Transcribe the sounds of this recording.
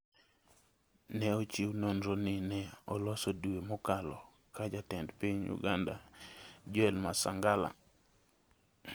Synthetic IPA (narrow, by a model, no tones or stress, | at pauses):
nɛot͡ʃiwnonɾonɪnɛɔ̰lɔsoduemɔkalɔ | kad͡ʒatɛndpiɲṵɡanda̰d͡ʒɛlmasaŋɡala̰